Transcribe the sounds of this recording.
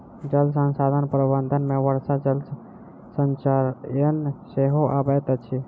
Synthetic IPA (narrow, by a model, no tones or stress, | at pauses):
d͡ʒəlsənsad̪ʱənpɾəbənd̪ʱənmeʋəɾsad͡ʒəls | sənt͡ʃaɾjənseɦoʔabət̪t͡ʃʰi